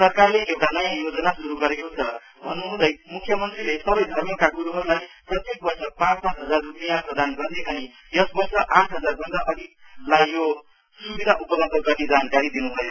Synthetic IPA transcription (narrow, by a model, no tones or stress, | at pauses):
sʌrkarleʔewʈanʌjãjod͡zʌnasuɾuɡʌɾekot͡sʰʌ | bʱʌnːuɦũd̪ʌjmukʰːjʌmʌnt̪rilesʌbʌjd̪ʱʌrmʌkaɡuɾuɦʌɾulajprʌt̪jek̚bʌrsʌpãt͡spãt͡sɦʌd͡zarrupijaprʌd̪anɡʌrd̪eʔʌni | jʌsbʌrsʌʔãʈʰɦʌd͡zarbʱʌnd̪aʔʌɽilajːo | subid̪ʱaʔupʌɡʌnt̪ʌɡʌrnid͡zankaɾid̪inubʱʌjo